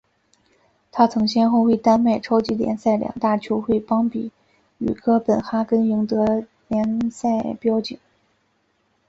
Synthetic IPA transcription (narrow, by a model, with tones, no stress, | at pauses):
t̪ʰa˥t͡sʰɤ˧˥ŋɕjɛ˥nxo˥˧ʊwe˥˩ɪt̪a˥nme˥˩ɪʈ͡ʂʰo˥ʊt͡ɕi˧˥ljɛ̰˧˥nsa˥˩ɪljɑ̰˨˩ŋt̪a˥˩t͡ɕʰjo˧˥ʊxwe˥˩ɪpɑ˥ŋpi˨˩˦ | y̰˨˩kʰɤ˥pə˨˩nxa˥kə˥ni˧˥ŋt̪ɤ˧˥ | ljɛ˧˥nsa˥˩ɪpjɑ˥ʊt͡ɕi˨˩˦ŋ